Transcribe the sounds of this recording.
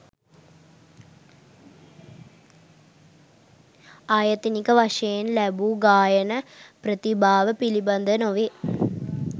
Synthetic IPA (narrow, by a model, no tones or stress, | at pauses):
aːjɐt̪ːinikːɐʋɐʂeːnlɐbuːɡaːjɐnɐprɐt̪ibʱaːʋɐpilibɐnd̪ʱɐnoʋe